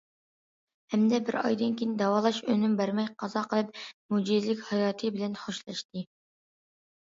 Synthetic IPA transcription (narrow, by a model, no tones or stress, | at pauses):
hɛmd̪ɛbɪɾɑ̰jd̪ɨnkʲʰijnɪd̪ɑwɑːlˠɑʃønymbæɾmɛjqʰɑzɑqʰəlˠɨp̚mud͡ʒizlɪkʲhɑjɑːt̪ʰɨbɪlɛnχoʃlˠɑʃt̪ʰɨ